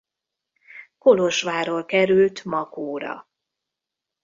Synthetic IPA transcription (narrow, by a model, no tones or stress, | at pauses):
ko̞loʃʋaːɾoːlkɛɾylt̪mɒkoːɾɒ̰